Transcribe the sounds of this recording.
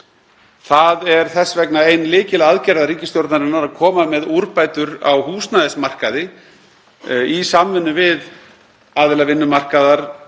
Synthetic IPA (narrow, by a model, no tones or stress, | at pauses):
θaðɛɾ̥θɛsːvɛknaejnlɪːcɪlɛɣaðcɛɾðaɾiːcɪst̪jowɾt̪naɾɪnːaɾaðkʰɔːmamɛðuɾpaːjt̪ʏɾa̰wɦuːsnaðɛsmar̥kaðɪ | isamvɪnːʏvɪð | aːðɪlavɪnːʏmar̥kaðaɾ̥